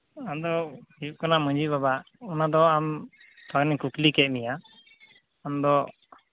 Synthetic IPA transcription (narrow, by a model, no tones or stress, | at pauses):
ad̪ɔikanamə̃ɲd͡ʒibabaʔ | unad̪ɔam | t̪ʰaɡnikuklikɛʔ̚mija | amd̪ɔ